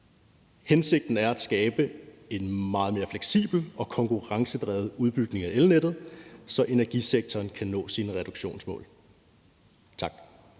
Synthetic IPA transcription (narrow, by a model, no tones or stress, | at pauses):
hense̝ɡ̥̚d̥n̩æɐæd̥sɡ̥ɛːb̥əe̝nmɑ̈ːð̩ˠme̝ːɐfleɡ̥sḭːb̥l̩ɒ̽kʰɒ̽ŋkʰuʁɑ̈ŋsəd̥ʁɛːð̩ˠuð̞ˠb̥yɡ̥ne̝ŋæʔelned̥ð̞̩ˠsɒ̽ʔe̝næɐɡ̥iseɡ̥̚t͡sʰɒːnkʰænɔ̰̽ːsinəʁɛd̥oɡ̥ɕo̝̰ːnsmɔ̰̽ːl | t͡sʰɑ̈ɡ̥